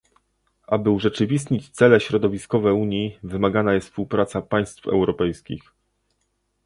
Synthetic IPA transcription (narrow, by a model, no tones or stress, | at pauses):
ʔabɘuʐɛt͡ʂɘvʲist̪ɲit͡ɕt̪sɛlɛɕɾɔd̪ɔvʲiskɔvɛuɲjivɘmaɡanajɛst̪spuwpɾat̪sapaj̃st̪fɛ̰wɾɔpɛjskʲḭx